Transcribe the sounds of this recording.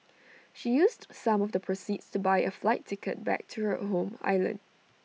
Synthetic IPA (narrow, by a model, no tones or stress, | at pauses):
ʃijustsãmɔfdəpʰɹositstubaɪəflaɪtʰːɪkə̰t̚bɛ̰k̚tʰuhə̰ɦõma̰ɪlə̰̃nd